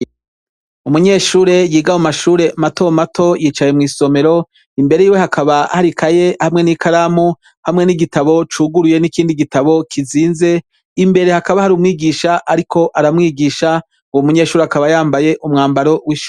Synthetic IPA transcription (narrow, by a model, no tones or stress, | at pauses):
umuɲe̞ːʃuːɾe̞jiːɡawumaʃuːɾe̞mato̞matʰo̞jiːt͡ʃajemŋiːso̞me̞ɾo̞ | imbe̞ɾejiːwe̞hakʰaβahaɾikʰaje̞hamŋe̞nikʰaɾaːmu | hamŋe̞niɡitaβo̞t͡ʃuːɡuɾuje̞nikiːndiɡitaβo̞kʰiziːnze̞ | imbe̞ɾe̞hakaβahaɾuːmŋiːɡiʃaʔaɾikʰo̞ʔaɾamŋiːɡiːʃa | uwomuɲe̞ːʃuːɾeakaβajaːmbaje̞ʔumŋaːmbaɾo̞wiʃu